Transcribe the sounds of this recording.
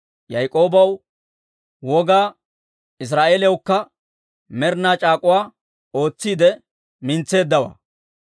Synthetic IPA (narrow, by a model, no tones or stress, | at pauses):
jɐjkʼo̞ːbɐw | wɔɡaː | ɪs̬ɾaːʔeːljɐwkːɐ | mɛɾnaːt͡ʃʼaːkʼʊwaː | o̞ːt͡sːiːd̪ɛ | mɪnt͡sːe̞ːd̪ːɐwa̰ː